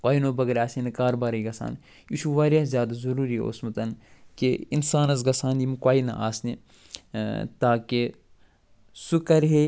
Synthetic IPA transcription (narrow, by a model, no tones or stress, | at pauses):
kwaːinoːbɐɡɐɾʲaːsinɐkaːɾbaːɾɐjɡɐsa̰ːn | jiʃuʋaːɾazʲjaːd̪ɐzɐɾuːɾio̰smɐt̪ɐnkeinsaːnɐzɡɐsaːnjimkwaːinɐ̰ʔaːsni | t̪aːke | sukɐɾɦe